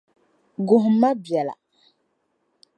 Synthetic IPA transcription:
ɡʊ˨ɦmːa˦bjɛ˨la̰˨

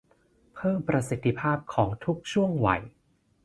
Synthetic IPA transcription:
pʰɤː˥˩mpɾa˧si˨˩t̪ʰːi˧pʰaː˥˩p̚kʰɔː˩˦ŋt̪ʰu˦˥k̚t͡ɕʰu˥˩əŋwa̰˨˩˦j

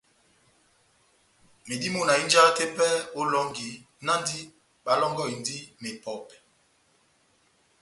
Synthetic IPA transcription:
me˨di˦mo˦na˨i˦nd͡ʒa˦te˦pɛ˦o˦lɔ˦ŋɡi˨˦ | na˦ndi˦ | ɓa˦lɔ˦ŋɡɔ˦˨i˨ndi˦me˨pɔ˨p

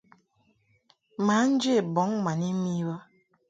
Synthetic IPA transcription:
ma˨˦n̩˦d͡ʒe˦˨bɔ˨˦ŋma˨ni˦mi˦wɔ˦

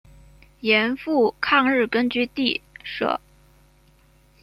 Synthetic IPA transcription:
jɛ˧˥nfu˥˩kʰɑ˥˧ŋɻɻ̩˥˩kə˥nt͡ɕy˥˧t̪i˥˩ʂwɔ̰˥

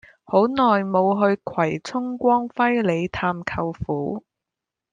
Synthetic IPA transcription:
ho˨˥wnɔː˨jmo˨˧wɦɵ˧ɥkʰwɐ˨˩jt͡sʰʊ˥ŋkʷɔː˥ŋfɐ˥jle˨˧jt̪ʰaː˧mkʰɐ˧wfuː˨˥

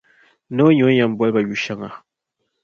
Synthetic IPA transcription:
no˦ɲo˨˦ɲa˨m˨bwɔ˦lba˨ju˨ʃa˦˨ŋa˨

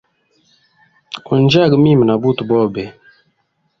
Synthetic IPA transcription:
o˨nd͡ʒa˦˨ɡə˨mi˦˨mə˨na˨bu˦tu˨bɔ˦˨be˨

